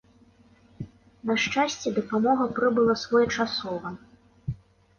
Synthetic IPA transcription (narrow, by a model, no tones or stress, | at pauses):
nɐʂt͡ʂasʲt͡sʲɛd̪ɐpamɔɣɐpɾɨbɨlˠɐsvɔjɐt͡ʂasɔvɐ